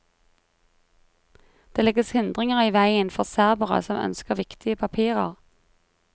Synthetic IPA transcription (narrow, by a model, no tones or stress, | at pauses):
d̪̥eːlɛɡəshɪnd̪ʁɪŋəʁəiːʋæɪənfɔʁsæʁbəʁə̰sɔmœ̰nskəʁʋɪkt̪ɪəpʰɑpʰiːʁə̰ʁ